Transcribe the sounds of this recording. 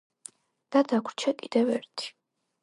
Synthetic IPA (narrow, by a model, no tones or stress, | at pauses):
d̪̥ad̪akʰɾt͡ʃʰɛkʼid̪ɛvɛɾt̪ʰi̥